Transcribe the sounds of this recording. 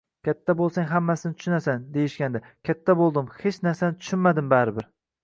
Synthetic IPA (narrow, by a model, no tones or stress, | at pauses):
kʲʰat̪ʰːabolˠsaŋɦamːasɪnɪt̪ʰʊʃʊnasand̪ejɪʃkʲand̪a | kʲʰat̪ʰːabolˠd̪ɪmhet͡ʃnaɾsanɪt̪ʰʊ̥ʃɪnmad̪ɪmbaɾɪbɪɾ